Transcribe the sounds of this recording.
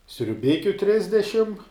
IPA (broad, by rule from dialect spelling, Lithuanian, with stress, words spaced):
sʲrʲʊˈbʲɪkʲʊ ˈtʲrʲɪzʲdʲɛʃʲɪm